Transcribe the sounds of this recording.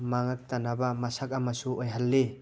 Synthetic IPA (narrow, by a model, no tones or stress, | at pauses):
maŋak̚t̪anabamasak̚amasuɔjɦalːe